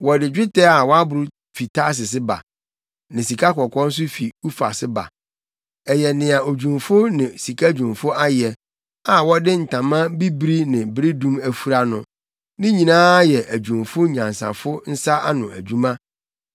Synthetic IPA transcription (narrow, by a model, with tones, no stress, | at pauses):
wɔ˨dɪ˨d͡ʑᶣɪ˦tʰɛ˦a˨wɔ˦a˦bʊ˨ɾʊ˦ | fi˨tʰa˦s̬ɪ˨s̬ɪ˦ba̰˨ | nɪ̃˨si˨kʰa˦kɔ˨kʰɔ˦n̩˦s̬ʊ˦fi˨u˦fa̰˨sɪ˦ba̰˨ | ɛ˨jɛ˨nɪ̃˨a˨o˨d͡ʑũ˨mfʊ˦nɪ̃˨si˨kʰa˦d͡ʑᶣũ˨mfʊ˦a˦jɛ˨ | a˨wɔ˦dɪ˦n̩˨tʰã˨mã˦bi˦bɾi˦nɪ̃˨bɾi˦dũ˦mæ˨fu˦ɾa˨nʊ̃˨ | nɪ̃˦ɲĩ˨nãː˦jɛ˨ʔæ˨d͡ʑᶣũ˨mfʊ˦ɲã˨n˨sã̰˨fʊ˦n̩˦sa˦ʔa˦nʊ̃˨æ˨d͡ʑᶣu˦mã˦